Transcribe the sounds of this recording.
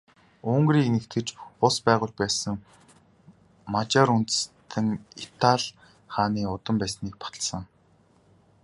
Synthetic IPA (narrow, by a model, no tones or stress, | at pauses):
ɵŋɡriːnĕkt̪ɘ̆t͡ɕpʊspæːʁʊːɮpæːsə̆ŋ | mat͡ɕaɾunt̪̆st̪ʰɘ̆ŋit̪ʰaɮ | χaːniːʊt̪ə̆mpæːsniːk̚pḁt̪ə̥̆ɮsə̆ŋ